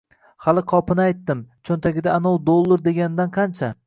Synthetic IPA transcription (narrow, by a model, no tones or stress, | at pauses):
halˠɪqʰɒpʰɪnɪajt̪ːɪmt͡ʃʰont̪ʰaɡʲɪd̪aːnowd̪olˠːɪɾd̪e̞ɡʲanɪd̪anqʰɑnt͡ʃʰa